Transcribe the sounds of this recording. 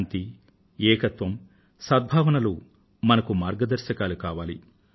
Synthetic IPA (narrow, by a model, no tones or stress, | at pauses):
nt̪i | ɛːkɐt̪ʋɐm | saːd̪̚bʱaːʋɐnɐlu | mɐnɐkumaːɾɡɐd̪ɐɾʃɐkaːlukaːʋaːli